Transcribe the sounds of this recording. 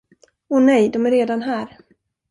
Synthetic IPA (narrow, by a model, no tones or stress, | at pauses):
ɔnɛjd̪ɔmæɾeːd̪anɦæːɾ